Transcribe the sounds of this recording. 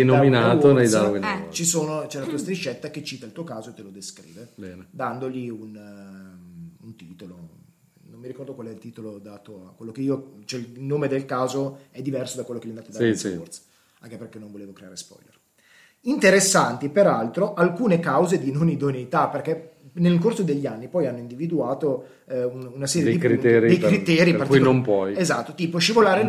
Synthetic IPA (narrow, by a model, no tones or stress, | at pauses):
ɛnominaːonɛjd̪aoint͡ʃisoːnot͡ʃɛlat̪uːast̪ɾit͡ʃːɛt̪ːak̟et͡ʃːiːt̪ailt̪uːokaːzoet̪ːelod̪eskɾḭːvebɛːned̪and̪oliun | unt̪iːt̪olo | nomːiɾikɔrd̪okwalɛilt̪iːt̪olod̪at̪oakwelːokeiːot͡ʃoɛilnoːmed̪elkaːzoɛd̪ːivɛrsod̪akwelːokelːind̪aːt̪od̪afɔrt̪sḁ | aŋkeperkɛnːõɱvoleːvokɾeaːɾespɔ̰jlḛr | int̪eɾesːant̪ipeɾalt̪ɾoʔalkuːnekawzed̪inonid̪onejt̪aperkɛnelkorsod̪eʎːanːipɔjanːoind̪ivid̪uaːt̪o | ununasɛːɾjd̪eikɾit̪ɛɾid̪ejkɾit̪ɛːɾipartkinompwɔjezat̪ːot̪iːpoʃivolaːɾe